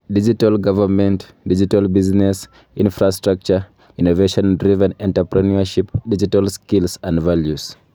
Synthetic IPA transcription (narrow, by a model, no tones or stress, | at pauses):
did͡ʒitalɡavəmɛ̃nt | did͡ʒitalbiznɛs | ĩnfɹastɹak̚t͡ʃə | inoveʃɔ̃nndɹivɛ̃nɛ̃ntəpɹɛnuəʃipdid͡ʒitalskilsãndvaljus